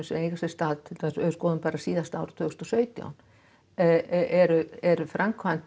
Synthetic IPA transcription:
ʏsɛmejɣasɛst̪aːðt̪ʰɪlt̪ʰɛsœskɔːðʏnpaːɾasiːðast̪aːwɾʏ̥t̪ʰʏːɣst̪ɔ̥sœːɥt̪ja̰wn | ɛɾʏɛɾfɾʔamkʰvant̪

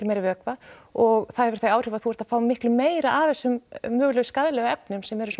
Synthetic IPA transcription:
lmejɾɪvɪœkvaɔɣθaðhɛvʏ̥θajaːwr̥ɪːvaðθuvɛɾt̪ḁfaːwmɪhklʏmːeːjɾaʔavɛsːʏmmʏːɣlœɣskaðɪlɛɣʏɛpnʏmsɛmɛɾʏs

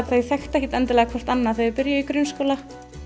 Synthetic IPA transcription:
θejθɛxt̪ahiːt̪ɛnt̪ɪlɛːɣakʰɔr̥t̪anːaθejpɪɾjaikɾʏnskoːla

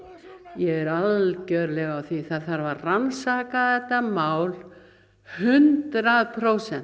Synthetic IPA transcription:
jɛɣɛɾaðcœɥɾlɛɣawθviθaðθaɾvaɾransaːkaðɛt̪ːamaːwl | hʏnt̪ɾaðpʰɾoːwsɛn

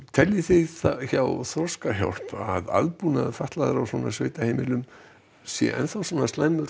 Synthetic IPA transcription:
t̪ʰɛljɪθɪðθçawθɾɔskaçja̰wl̥paða̰ðpuːnaðfaht̪laðaɾawsvɔːnasveːjt̪aheːjmɪlʏm | sjɛ̰ʔɛ̰nθawsɔːnast̪ajmʏɾ

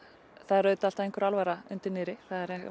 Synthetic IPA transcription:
θaðɛɾœːɥt̪al̥t̪aðejŋkʏɾalvaɾaʏ̰nt̪ɪɾnɪːɾɪθaðɛɾɛ

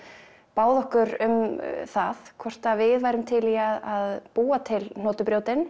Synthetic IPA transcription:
paːwðɔhkʏɾʏmθaðkʰɔr̥t̪avɪðvajɾʏmt̪ʰɪliaðaðpuːat̪ʰɪln̥oːt̪ʏpɾjoːwt̪ɪn

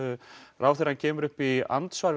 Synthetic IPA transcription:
rʔaːwθɪɾ̥hancʰɛːmʏɾʏhpia̰nt̪svaɾ

